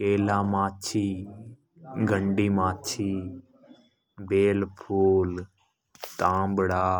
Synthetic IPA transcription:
keːlãːmaːt͡ʃʰiː | ɡʱəɳɖiːmaːt͡ʃʰiː | beːlpʰuːl | t̪ãːmbɽaː

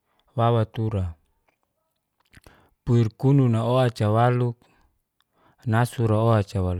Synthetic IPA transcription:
wawat̪uɾa | puirkununaoat͡ʃawaluk̚ | nasuɾaoat͡ʃawal

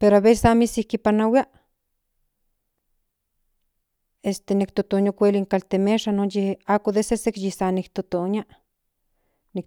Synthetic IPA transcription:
peɾoaβesesamisihkipanawia | est̪enikt̪ot̪onokʷeliŋkalt̪emeʃanonjehakod̪esesekjisanikt̪ot̪onja | nik̚

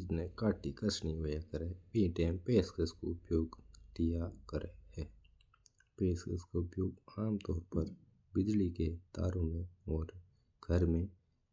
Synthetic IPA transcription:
d͡ʒnekaːʈikəsniojakəɾepĩːʈẽːmpeːskəsko̰ʊpjoːɡd̪ijakəɾeɦɛː | peːskə̰skaʊpjoːɡaːmt̪ɔːɾpəɾ | bɪd͡ʒliket̪a̰ːɾõmẽɔːɾ | ɡ̥ʱəɾmẽ

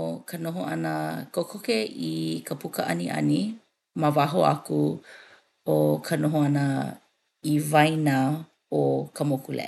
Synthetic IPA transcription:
okʰanoɦoɐnəkokʰokeikʰəpukəʔɐ̰niʔɐ̰ni | mavaɦoa̰ku | okʰɐnoɦoɐnə | ivajna | okʰəmokulḛ

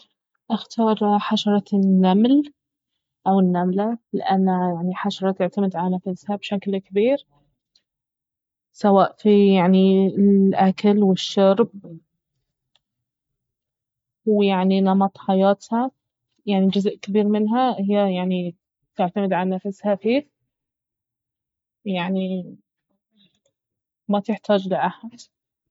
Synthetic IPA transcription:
ʔaxt̪ɑːɾˤħaʃɑɾˤɑnːaml | ʔawɪnːamlalɪ̰ʔanːajaʕniħaʃɑɾˤɑt̪ɪʕt̪amɪd̪ʕalanafashabʃaklkɪbiːɾ | sawaːʔfijaʕniɪʔakalwɪʃːɑɾˤb̚ | wjaʕninɑmɑt̪ˤħajaːt̪ha | jaʕnid͡ʒʊzʔkɪbiːɾmɪnɦahɪjːajaʕni | t̪ɪʕt̪amɪd̪ʕalanafɪshafiːf | jaʕni | mat̪ɪħt̪aːd͡ʒlɪʔaħad̪

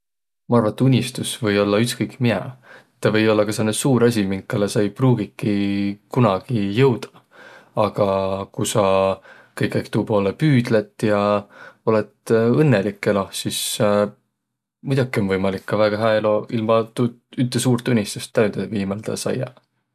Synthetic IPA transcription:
mɑɑrvɑt̪ːˑunʲist̪usvɤ̞jo̞lːɑyt̪skɤjkmiɑ̰et̪ːɑvɤ̞jo̞lːɑkɑselnesuːɾɑs̬ʲimiŋkːˑɑlesɑjpruːɡ̥ikˑːikunɑɡ̥ijɤwd̪̥ɑ̥ | ɑɡ̥ɑkusɑkɤjkːˑækt̪uːpo̞ːlepyːd̪let̪ːˑjɑo̞le̞t̪ɤnːelikːˑelohsis | mujd̪ɑɡ̥io̞nvɤjmɑlikːɑvæɡ̥ɑɦæelo̞ilmɑt̪u | yt̪ːˑesuːɾt̪ˑunʲːist̪ust̪ːæynd̪eviːmɑld̪ɑ̰sɑ̰jɑ̰

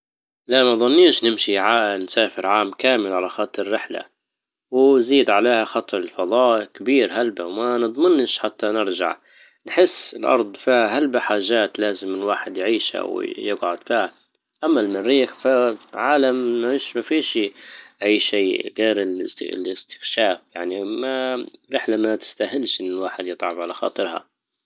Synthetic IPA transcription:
laʔmaðˤʊnːiːʃnɪmʃiʕansaːfɪɾʕaːmkaːmɪlʕalaxɑːt̪ˤːɨrːɪħla̰ | wziːd̪ʕaleːhaxɑt̪ˤɾɪlfɑðˤɑːʔkbiːɾhalbawmanɨd̪ˤmɪnʃħat̪ːanɪɾd͡ʒa̰ʕ | nħɪsːɪlʔɑ̰ɾˤd̪ˤfiːhalbaħaːʒːaːt̪laːzɪmːɪnwaːħɪd̪jʕiːʃha̰wjɪɡʕʊd̪fiːha | ʔamːalmɪnɾiːxfaʕaːlamːiʃmafiːʃiʔajːʃiːɣeːɾɪl̰lɪst̪ɪ̥xʃaːfjaʕnimaɾɪħlamːat̪ɪ̥st̪aɦɪlʃʔɪnːɪlwaːħɪd̪jɨt̪ˤʕɑbʕalaxɑ̰ːt̪ˤɨɾha̰

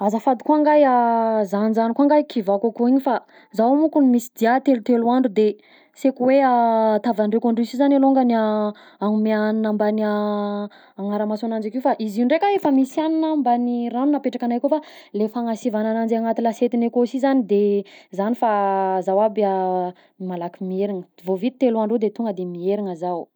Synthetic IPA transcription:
azəfad̪i̥koaŋɡajazanizanikoaŋɡajkʰivakakoiɲifa | zawamukunimisi̥d̪iat̪elut̪eluaɳɖ͡ʐud̪e | sekuweat̪avaɳrekaɳɖ͡ʐisizanaloŋɡana | aŋumeaninambanaː | ŋaɾəmasanand͡ʒakewfaʔiziɳɖ͡ʐekaefəmisianinambaniranunapeʈ͡ʂakanajkofa | lefaŋasivananand͡ʒaŋat̪ilaset̪inekosizanid̪ezanifazawabia | imalakimieɾiŋə | vovit̪i̥t̪elaɳɖ͡ʐud̪et̪uŋɡəd̪emieɾiŋəzaw

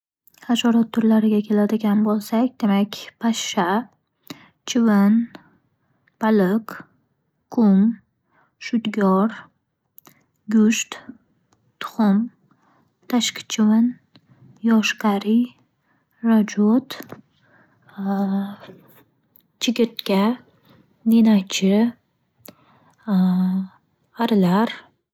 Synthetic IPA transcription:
aʃɒɾat̪̚ːʰʊɾlaɾɪɡʲakʲʰe̞lad̪ɪɡʲanbolˠsakʲd̪e̞makʲpʰaʃːa | t͡ʃʰɪvɪn | b̥alɪk | kʰːʊm | ʃʊd̪ɡʲɒɾ | ɡʲʊʃt̪ | t̪ʰʊ̥χʊm | t̪ʰaʃkʲt͡ʃʰɪwan | jɒʃkaɾi | ɾad͡ʒot̪ | t͡ʃʰɪɡʲɪɾt̪kʲa | d̪enat͡ʃʰɪ | aɾlaɾ

